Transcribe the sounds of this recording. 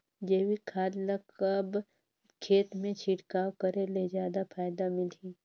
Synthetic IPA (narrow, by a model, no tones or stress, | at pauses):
d͡ʒeːwikʰaːd̪lakəb | kʰeːt̪mẽt͡ʃʰiːʈkaːwkəɾeled͡ʒjaːd̪apʰaːjd̪amɪliː